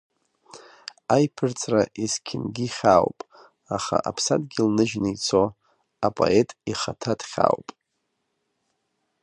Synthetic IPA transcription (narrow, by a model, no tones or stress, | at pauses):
ajpʰɨrt͡sʰʼraʔiskʲʰɪnɡʲiχʲawpʼ | aχa̰ʔapʰsatʼɡʲilnɨʒnɨit͡sʰo | apʼo̰e̞tʼiχatʰadʰχʲa̰wpʼ